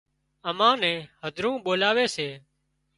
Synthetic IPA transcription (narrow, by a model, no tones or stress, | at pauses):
əmãːnɛ̃ːhəd̪ʱɾũːɓoːlaːʋeːseː